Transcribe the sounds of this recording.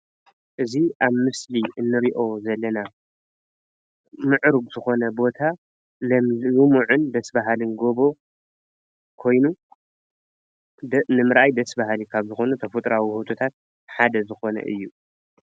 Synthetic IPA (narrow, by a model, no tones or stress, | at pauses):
ʔɨziʔaβmɨsliʔɨnːɨɾiʔo̞zɐlːɐna | mɨʕɾuɡz̥ɨxo̞nɐbo̞t̪ʰa | lɐmlumuʕɨnd̪ɐsbaɦalɨnɡo̞bo̞ | kʰo̞jnu | nɨmɨɾʔajd̪ɐsbahalikʰaβzɨxo̞nut̪ʰɐfɨt̪ʼɾawihut̪ʰo̞t̪ʰat̪̚ | ħad̪ɐzɨxo̞nɐ̰ʔɨ̰jːu